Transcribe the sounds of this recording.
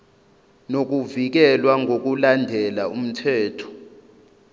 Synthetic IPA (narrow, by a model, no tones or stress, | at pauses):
nok̬uvik̬ɛlwaŋʱok̬ulandʱɛlaum̩tʰɛːtʰɔ̥